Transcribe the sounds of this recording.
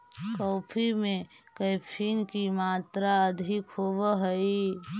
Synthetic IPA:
kɔːpʰimẽ | kəɪpʰiːnkimaːt̪ɾaəd̪ʱɪkhobəɦəi

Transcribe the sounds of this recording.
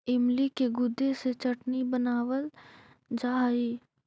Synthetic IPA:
ɪmlikeɡʊd̪ːeset͡ʃɐʈnibənaːwəl | d͡ʒaːiː

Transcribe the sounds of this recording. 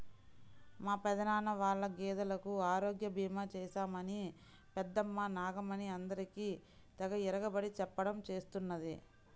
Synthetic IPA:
maːpɛd̪ɐnaːnɐʋaːɭːɐɡɛːd̪ɐlɐkuaːɾo̞ːɡjɐbʱiːmaːt͡ʃɛːʃaːmɐni | pɛd̪ːɐmːanaːɡɐmɐniɐnd̪ɐɾikiː | t̪ɐɡɐiɾɐɡɐbɐɽit͡ʃɛpːɐɽɐmt͡ʃe̞ːst̪unːɐd̪i

